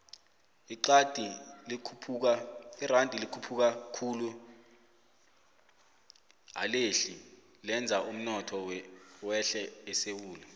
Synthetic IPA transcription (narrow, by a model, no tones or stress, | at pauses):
iǃad̥ʱikʰpʰuk̬airandʱilikʰupʰuk̬akʰulu | a̰leɬi | lɛnd͡zʱaum̩nɔtʰɔwwɛɬɛːsewuːlɛ